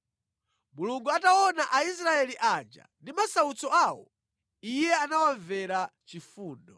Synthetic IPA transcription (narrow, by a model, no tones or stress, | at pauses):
muluŋɡuatawɔnaʔais̬ɾaɛliʔand͡ʒa̰ndimasaut͡sɔaːwɔ̰ | ijɛanawaɱvɛɾat͡ʃifuːndɔ